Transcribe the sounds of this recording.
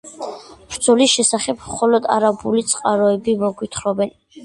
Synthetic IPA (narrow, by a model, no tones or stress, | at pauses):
bɾd̪zɔlisʃɛsaχɛb̚ʰmχɔlɔd̪a̰ɾabulit̪sʼqʼaɾɔɛbimɔɡwit̪ʰχɾɔbɛn